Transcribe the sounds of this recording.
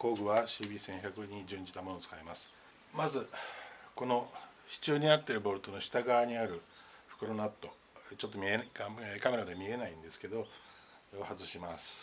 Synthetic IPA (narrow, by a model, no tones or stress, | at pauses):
ko̞ːɡɯ̟βaɕiːbʲiːsẽ̞ɰ̃çakɯ̟ɲ̟id͡ʑɨ̃ɲ̟d͡ʑi̥t̪amo̞not͡sɨ̥kaimasɨ̥ | mazɨko̞no̞ɕi̥t͡ɕɨːɲ̟inat̪ːe̞ɾɯ̟bo̞ɾɯ̟t̪o̞no̞ɕi̥t̪aɡaːɲ̟iaɾɯ̟ | ɸɯ̟̥kɯ̟ɾo̞nat̪ːo̞ | t͡ɕo̞t̪ːo̞mʲieɡakame̞ɾad̪emʲie̞naĩnd̪e̞sɨ̥ke̞d̪o̞ | johazɨɕimasɨ̥